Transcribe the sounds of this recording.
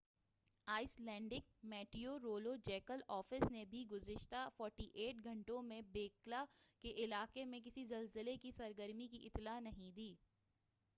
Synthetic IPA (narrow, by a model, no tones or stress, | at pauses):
aːɪslɛ̃ːɳɖɪk̚mɛːʈioɾoːlod͡ʒɛːkəlɔːfɪsnebʱiɡʊzɪʃt̪afɔːɾʈiʔeːʈɡʱɐ̃ɳʈõmẽbeːklakeʔɪlaːqemẽk̬ɪsizɐlzəlekisɐɾɡəɾmikiʔɪt̪laːnɐɦĩd̪iː